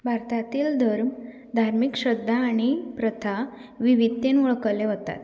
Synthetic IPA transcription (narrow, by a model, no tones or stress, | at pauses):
bʱaɾt̪at̪iːld̪ʱəɾm | d̪ʱaɾmikɕəd̪ʱːaːɽ̃ipɾət̪ʰa | ʋiʋit̪ːenʋɔɭkəleɦot̪a̰t̪